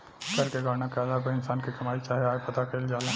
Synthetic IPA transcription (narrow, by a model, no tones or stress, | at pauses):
kɐɾkeɡʱaːɾnakaːd̪aːkoɪnsaːnkikɐmaːit͡ʃaːɦeaːepɐt̪akʰeːld͡ʒaːlẽ